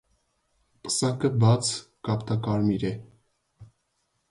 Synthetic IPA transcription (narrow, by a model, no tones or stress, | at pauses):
pə̥sɑkəbɑt͡sʰ | kɑpt̪ɑkɑɾmiɾɛ